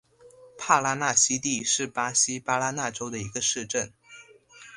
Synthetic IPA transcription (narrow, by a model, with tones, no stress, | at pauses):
pʰa˥˩la˥na˥˩ɕi˥t̪i˥˧ʂɻ̩˥˩pa˥ɕi˥pa˥la˥na˥˩ʈ͡ʂo˥ʊd̪ə˨i˧˥ɡə˧ʂɻ̩˥˧ʈ͡ʂə˥˩n